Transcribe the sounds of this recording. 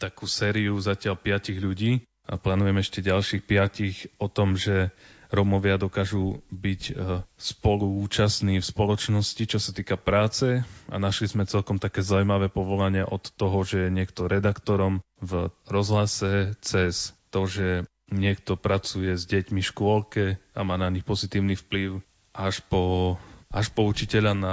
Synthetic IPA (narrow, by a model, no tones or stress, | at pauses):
t̪akuːsɛːɾiuzacɪalpɪaciɣʎuɟiː | aplaːnujɛmɛʃcɛɟalʃiːxpɪacixɔt̪ɔmʒɛɾɔmɔʋɪad̪ɔkaːʒubicspɔluːt͡ʃasniːfspɔlɔt͡ʃnɔscit͡ʃɔsat̪iːkapɾaːt͡sɛa̰naʃlizmɛt͡sɛlkɔmt̪akɛːzaumaʋɛːpɔʋɔlaɲɪɛʔɔt̪ːɔɦɔʒɛjɛɲɪɛkt̪ɔɾɛd̪akt̪ɔɾɔmvɾɔzɦlasɛt͡sɛst̪ɔʒɛ | ɲɪɛkt̪ɔpɾat͡sujɛzɟɛcmifʃkʊɔlkɛamaːnaɲixpɔzit̪iːʊnifpliʊ | ʔaʃpɔʔaʃpɔut͡ʃicɛʎana